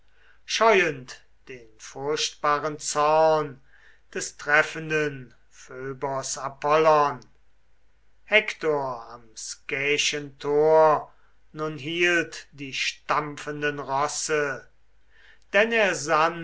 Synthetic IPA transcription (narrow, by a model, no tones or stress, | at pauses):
ʃɔʏənt | d̥eːnfʊɐʃtb̥aːʁənt͡sɔʁn | d̥ɛstʁ̥ɛfəndən | føːbɐsapɔlɔn | hɛktoɐamskɛːʃəntʰoːɐ | nʊnɦiːltd̥iːʃtamfəndənʁɔsə | d̥ɛneːɐzan